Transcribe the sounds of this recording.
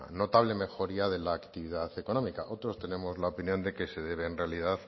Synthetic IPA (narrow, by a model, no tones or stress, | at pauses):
no̞t̪aβ̞le̞me̞xo̞ɾiaðe̞laːkt̪iβiðaθe̞ko̞no̞mika̰ʔo̞t̪ɾo̞st̪e̞ne̞mo̞zlaopinjo̞nd̪e̞ke̞se̞ðe̞β̞eːnrealið̞aθ